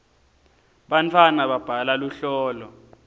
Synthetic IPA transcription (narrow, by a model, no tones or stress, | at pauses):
ɓant͡fʰwanaɓab̥ʱalaluɬɔːlɔ